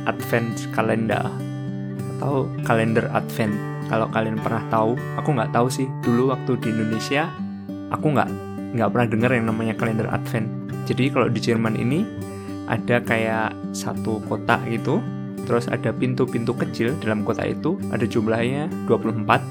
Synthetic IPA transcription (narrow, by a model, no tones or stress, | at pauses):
ʔa̰t̪fɛntkalɛnda̰ | at̪aukalɛndəra̰t̪fɛnt̪ | kalokalianpərnaht̪au | akuŋɡaʔt̪ausɪhd̥uluwak̚t̪udiːndonesia | ʔakuŋɡa̰ʔ | ŋɡaʔpərnahdəŋərjaŋnamaɲakalɛndəra̰t̪fɛnt̪ | d͡ʒadikalo̰did͡ʒərmanʔḭni | ʔa̰dakajaʔ | sa̰t̪ukot̪a̰ʔɡit̪u | t̪əɾʊsa̰dapint̪upint̪ukət͡ʃɪldalamkot̪a̰ḭt̪uʔa̰dad͡ʒumblahɲad̥uapuluhəmpat̪̚